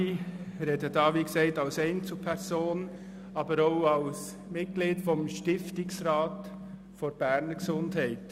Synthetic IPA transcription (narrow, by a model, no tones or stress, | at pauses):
iɾɛdədɑːʋiːksɛɪtɑlsɛɪnt͡supʰɛɾsoːn | ɑːbəɾoʊɑls | mɪt̚ɡ̥liːtfɔmʃtɪftɪksɾɑːt | foɾb̥æɾnəɡsʊnthæɪt